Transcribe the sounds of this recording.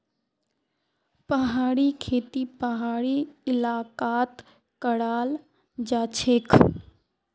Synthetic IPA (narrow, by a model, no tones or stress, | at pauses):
pəɦaːɽikʰeːt̪ipəɦaːɽiɪlaːkaːt̪ | kəɽaːl | d͡ʒaːt͡ʃʰekʰ